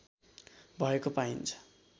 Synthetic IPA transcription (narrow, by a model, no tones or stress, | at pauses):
bʱʌekopaint͡sʰʌ̥